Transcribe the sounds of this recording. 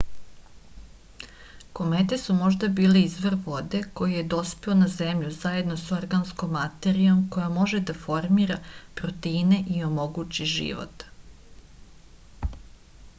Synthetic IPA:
ko̞met̪esumo̞ʒd̪abiːleizʋɾʋo̞d̪e̞ko̞jije̞d̪o̞speonazemʎuzaje̞d̪no̞so̞ɾɡansko̞mːat̪e̞ɾijo̞mko̞jamo̞ʒed̪afo̞ɾmiːɾapɾot̪eine̞ʔio̞mo̞ɡut͡ʃiʒḭʋo̰t̪

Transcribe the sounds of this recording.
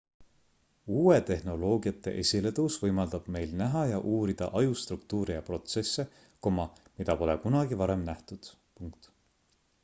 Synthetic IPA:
uːe̞t̪e̞hno̞lo̞ːɡiɑt̪ˑːe̞ʔe̞sʲile̞t̪usvɤjmɑld̪ɑb̥me̞jlnæɦɑjɑʔuːɾid̪̥ɑ̰ʔɑjust̪rukt̪uːɾijɑpro̞t̪se̞sːe̞ | ko̞mɑmid̪ɑpo̞le̞kunɑɡivɑɾe̞mnæht̪ud̪̥ | puŋk̚t̪

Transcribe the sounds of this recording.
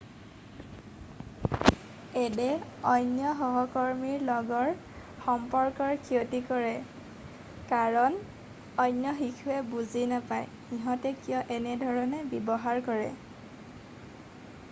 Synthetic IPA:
ɛdɛɔjnjɔɦɔɦɔkɔɹmiɹlɔɡɔɹ | xɔmpɔɹkɔɹkʰiotikɔɹɛ | kaɹɔn | ɔjnjɔxikʰuɛbuzinapaj | xiɦɔ̃tɛkijɔʔɛnɛdʱɔɹɔnɛbibɔɦaɹkɔɹɛ̰

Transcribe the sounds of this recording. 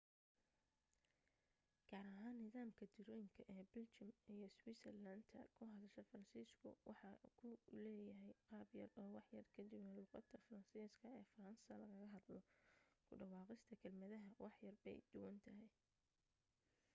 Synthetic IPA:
ɡ̥aːɾɐɦaːnːɪðaːmkʰɐd̪ɪɾɔːjɪŋkʰɐʔɛːbɪlt͡ʃɪmijɞswisɛrland̪ʰɐkʰʊɦɑðɐʃɛfɐɾɐnsiːskʰʊ̰wʔɑħɑkʰʊlɛːjɐɦɛjqɑːbjɐrɔːwɑħjɐrkʰɐd̪ɪbnɐluːqɑ̰d̪ɐfɐɾɐnsiːskʰɐɛːfɐɾɐnsɐlɐɣɐɣɐɦɐd̪lɔkʰʊɖɐwɑːqɪst̪ʰɐkʰɐlmɐðɐɦɐwɑħjɐrbɛ̰jd̪̥ʊwɐnt̪ʰɐɦɛj

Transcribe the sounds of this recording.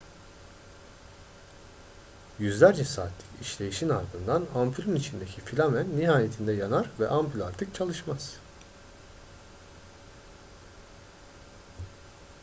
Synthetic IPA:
jyzlʲæɾd͡ʒɛsaːt̪ʰlʲɯ̥kiʃlʲe̞jiʃinaɾd̪ɯnd̪anampylʲynit͡ʃʰind̪e̞cʰifilʲamænːiɦaːje̞t̪ʰind̪ɛjanaɾvɛʔampylʲˠaɾt̪ʰɯk̚t͡ʃʰalˠɯʃmaz̥

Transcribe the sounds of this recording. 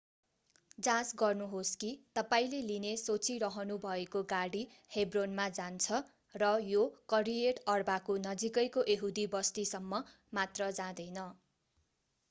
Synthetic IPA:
d͡zãsɡʌrnuɦoskit̪ʌpaĩlelinesot͡siɾʌɦʌnubʱʌekoɡaɽi | hebronmad͡zant͡sʰʌ | rʌjokʌɾieʈʌrbakonʌd͡zikʌjkoʔeɦud̪ibʌst̪isʌmːʌ | mat̪rʌd͡zãd̪ʌjnʌ

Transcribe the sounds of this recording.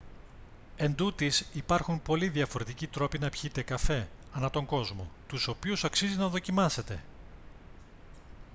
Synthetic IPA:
e̞nd̪ut̪isipɐɾxumpo̞liðiɐfo̞ɾe̞t̪icit̪ɾo̞pinɐpçit̪e̞kɐfe̞ | ɐnɐt̪o̞ŋɡo̞zmo̞t̪uso̞piusɐksizinɐðo̞cimɐse̞t̪e̞̰

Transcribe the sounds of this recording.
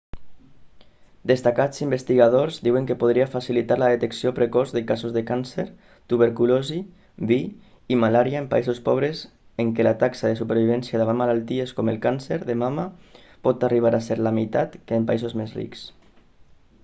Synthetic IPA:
d̪est̪akat͡simbest̪iɣað̞oɾzd̪iweŋkepoð̞ɾiafasilit̪aɾlaðet̪eksiopɾekɔzðekazozðekanseɾ | t̪uβ̞eɾkulozi | βiː | malaɾjaempa̰izospɔβ̞ɾes | eŋkelat̪aksaðesupeɾβ̞iβɛnsjaðaβamːalalˠt̪ieskɔmelˠkanseɾðemama | pɔt̪ariβ̞aɾaseɾlamit̪at̪kːmpaizozmezrḭks

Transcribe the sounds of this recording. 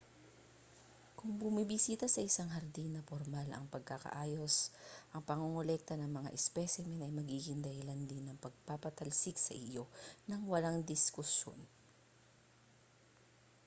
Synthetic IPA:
kʊŋbʊmibɪsiːt̪ɐsɐʔɪsaŋɦɐɾd̪inɐpoɾmalʔɐ̰ŋpɐɡ̚kɐkɐ̰ʔaːjo̞sʔɐŋpɐŋuŋolɛk̚t̪ɐnɐŋmɐŋa̰ʔɛspɛsɪmɛnɐjmɐɡiːɡɪŋd̪ɐhɪland̪ɪnːɐŋpɐɡ̚papɐt̪ɐlsɪksɐ̰ʔɪjo̞nɐŋwɐlaŋd̪ɪskʊsjo̞̰n

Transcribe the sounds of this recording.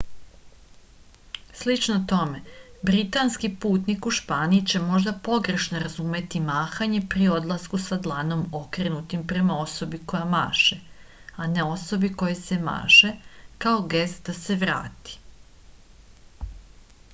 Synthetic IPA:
slit͡ʃnot̪o̞me̞bɾit̪anskipuːt̪nikuʃpaːniit͡ɕe̞mo̞ʒd̪apo̞ɡɾe̞ʃno̞ɾazume̞t̪imaːxaɲe̞pɾio̞d̪lˠaskusad̪lˠano̞mo̞kɾe̞nut̪impɾe̞mao̞so̞biko̞jama̰ːʃe | ane̞o̞so̞biko̞jese̞ma̰ːʃe̞kao̞ɡest̪d̪ase̞ʋɾa̰ːt̪i̥

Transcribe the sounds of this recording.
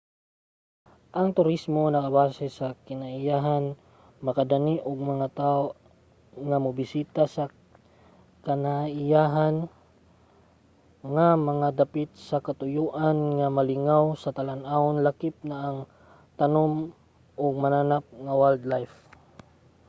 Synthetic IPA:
ʔɐŋt̪ʊɾismonɐkabaːsɛsɐkɪnaʔɪjaːɦan | mɐkad̪aniʔoɡ̚mɐŋat̪ao | ŋamʊbɪsiːt̪asɐ | kanaɪjaːɦan | ŋamɐŋad̪apɪt̪̚sɐkat̪ʊjuːʔanŋamalɪŋawsɐt̪alanʔaʊnlakɪp̚naʔːŋ | t̪ɐnom | ʔoɡ̚mananap̚ŋawald̪lajf

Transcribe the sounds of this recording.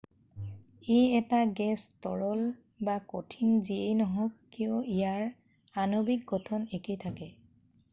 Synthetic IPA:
ejɛtaɡɛstɔɹɔl | bakotʰiŋziejnɔɦɔkːiʊijaɹ | anobik̚ɡɔtʰɔnekejtʰakɛ

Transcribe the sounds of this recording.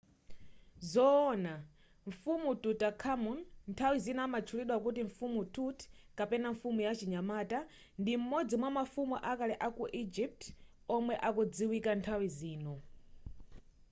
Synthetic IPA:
zɔːna | ɱ̩fumututakʰamunntʰawizinamat͡ʃʰuliɗwakutiɱfumutut | kapɛnaɱfumujat͡ʃiɲamaːta | ndim̩mɔd͡zimwamafumuʔakalɛʔakuʔid͡ʒip̚t | ɔmwɛʔakɔd͡ziwikantʰawiziːnɔ

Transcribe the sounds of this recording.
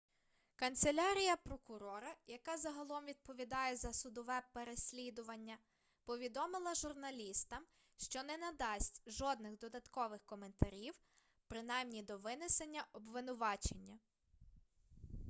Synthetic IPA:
kɐnt̪selʲɑɾʲijɐpɾɔkʊɾɔɾɐjɐkɑzɐɦɐlˠɔmʋʲid̪̚pɔʋʲid̪ɑjɛzɐsʊd̪ɔʋɛpeɾesʲlʲid̪ʊʋɐnʲːɐ | pɔʋʲid̪ɔmɪlˠɐʒʊrnɐlʲist̪ɐm | ʃt͡ʃɔnɛnɐd̪ɑsʲtʲʒɔd̪nɪxd̪ɔd̪ɐt̪kɔʋɪxkɔme̞nt̪ɐɾʲiw | pɾɪnɑjmnʲid̪ɔʋɪnesenʲːɐʔɔbʋɪnʊʋɑt͡ʃenʲːɐ

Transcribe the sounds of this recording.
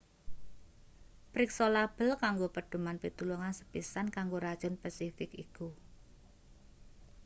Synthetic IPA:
pɾɪksolab̥əlkaŋɡopəɖ̪̥ṳmanpit̪uluŋansə̥pisankaŋɡoɾad̥ʒ̥ʊ̤npasifɪkiku

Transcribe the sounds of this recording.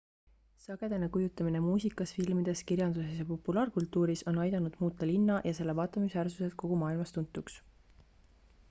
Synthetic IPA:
sɑɡ̥e̞d̪enekujut̪ːˑɑminemuːsikːˑɑsfilmid̪̥e̞skirjɑnd̪̥usesjɑpo̞pːulɑːrkult̪ːˑuːɾiso̞nɑjd̪ɑnud̪̥muːt̪ːˑɑlinːɑjʔɑse̞lːevɑːt̪ːˑɑmisværsuse̞ko̞ɡ̥umɑːilmɑst̪unt̪ːˑuks

